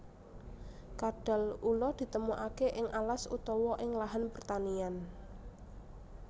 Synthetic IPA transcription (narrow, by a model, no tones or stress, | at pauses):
kadɖ̥a̤lulɔd̪̥i̤t̪əmuʔakeʔɪŋʔalasṵt̪ɔwɔʔɪŋlaɦanpərt̪anian